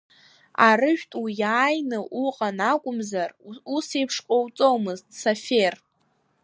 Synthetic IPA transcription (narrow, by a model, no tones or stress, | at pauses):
arɨʒᶣtʼwijaːjnɨʔuqʼanakʷʼʊmzarusejpʰʂqʷʼowt͡sʼowmɨztʼsafer